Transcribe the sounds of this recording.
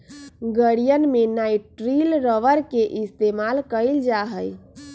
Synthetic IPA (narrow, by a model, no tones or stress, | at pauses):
ɡəɽijənmenajʈɾilɾəʋəɾkeʔist̪emalkəjld͡ʒaɦəj